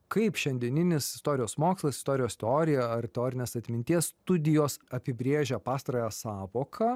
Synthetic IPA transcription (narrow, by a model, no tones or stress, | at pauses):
kɐɪpʃʲɛnʲd̪ʲiɛnʲɪnʲɪsɪ̥st̪oːɾʲɪjoːsmoːkslˠɐsɪ̥st̪oːɾʲɪjoːst̪ʲɛoːɾʲɪjɛɐrt̪ʲɛoːɾʲɪnʲeːsɐt̪ʲmʲɪnʲt̪ʲiɛsst̪ʊd̪ʲɪjoːsɐpʲɪbʲɾʲeːʒʲɛpɑːst̪ɾɐjæsɑːʋoːkʰɐ